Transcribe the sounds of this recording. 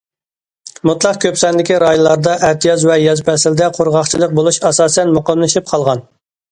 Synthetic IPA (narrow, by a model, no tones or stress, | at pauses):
mut̪lˠɑqkʲøpsɛnd̪ɪkʲiɾɑːjunlˠɑɾd̪ɑʔæt̪ʰijɑzvɛjɑzpʰɛsɪld̪ɛqʰoɾʁɑχt͡ʃʰilˠəq̚bolˠuʃɑsɑːsɛnmoqɑmlˠɨʃip̚qʰɑlˠʁɑn